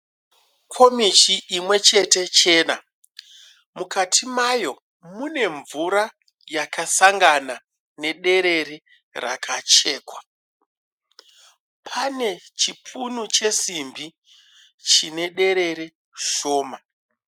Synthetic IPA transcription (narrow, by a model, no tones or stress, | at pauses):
kʰo̞mit͡ʃiʔːmwe̞t͡ʃe̞te̞t͡ʃe̞ːna | mukatʰimajo̞ | mune̞ɱvuɾa | jakʰasaŋɡana | ne̞ɗe̞ɾe̞ɾe | ra̰kʰat͡ʃe̞ːkwa | pʰane̞t͡ʃipʰunut͡ʃe̞simbi | t͡ʃine̞ɗe̞ɾe̞ɾe | ʃo̞ːma